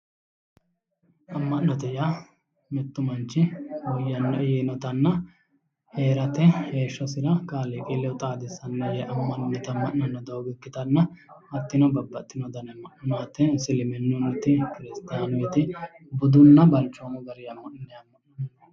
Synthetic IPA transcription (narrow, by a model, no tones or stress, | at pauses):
ɐmːɐʔnɔt̪ɛja | mɛt̪ːʊmɐnt͡ʃːɪwɔjːɐnːɐjenɔt̪ɐnːɐ | he̞ːɾɐt̪ɛheːʃːɔsɪɾɐkʼaːlekʼilːɛwt̪ʼaːd̪ɪsːɐnːɐjɛʔɐmːɐnʊnɪt̪ɐmːɐʔnɐnːɔd̪ɐwɡɪkːɪt̪ɐnːɐɐt̪ːɪnɔbɐbːɐt̪ːɪnɔd̪ɐnɛmːɐʔʊnaːt̪ːɛsɪlɪmɛnːʊnɪt̪ːɪkɪɾɪst̪aːnʊiːt̪ɪ | bʊd̪ʊnːɐbɐlt͡ʃːoːmʊɡɐɾɪɐmːɐʔnɛɐmːɐʔnɔn